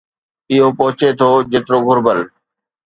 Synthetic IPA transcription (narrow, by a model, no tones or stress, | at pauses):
ɪɦopɔɦʊt͡ɕet̪ʰod͡ʑeːt̪ɾoɡʱʊɾbəl